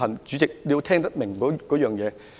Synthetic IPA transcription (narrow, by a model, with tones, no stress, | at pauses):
ɐ˨˩ŋt͡ɕy˨˦˥ɪ˨˩k̚ɗi˧wt̪ʰɛː˧ŋt̪a˦˥t̚mɪ̈˨˩ŋkɔː˨˦kɔ˨˦jœː˨˩ŋjɛː˨˧